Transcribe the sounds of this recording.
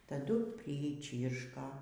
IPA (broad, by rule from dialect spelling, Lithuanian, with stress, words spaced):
tɐˈdʊ pʲrʲɪˈt͡ʃʲiːrʃkɐ